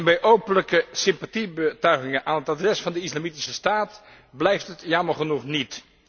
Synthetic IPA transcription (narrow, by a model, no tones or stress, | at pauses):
nbɛjʔowpənləkəsɪmpatibətœɥχɪŋənʔaːnɦətadrɛsfɑndəislamitisəstaːt | blɛjftɦətjɑməɹχənuχnit